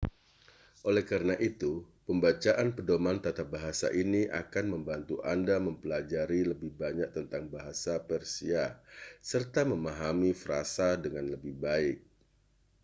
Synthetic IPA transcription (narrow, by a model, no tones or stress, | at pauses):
ʔolɛhkaɾənaʔit̪upəmbat͡ʃaʔanpədomant̪at̪abaɦasa̰ʔiniʔa̰kanməmbant̪uʔa̰ndaməmpəlad͡ʒaɾiləbɪhbaɲak̚t̪ənt̪aŋbaɦasapɛrsiasərt̪aməmaɦamifɾa̰sadəŋanləbɪhbaɪk̚